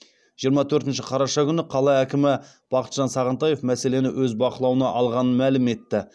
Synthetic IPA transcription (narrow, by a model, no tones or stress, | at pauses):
ʒijəɾmɑt̪ʰɵɾt̪ɪnʃɪqʰɑɾɑʃɑkʲʰʏnɪqʰɑlˠɑækʲɪmɪ | b̥ɑqət̪ʒ̥ɑnsɑʁənt̪ɑje̞fmæse̞le̞nɪwʔɵzbɑqəlˠɑwənɑʔɑlˠʁɑnənmælɪme̞t̪ːɪ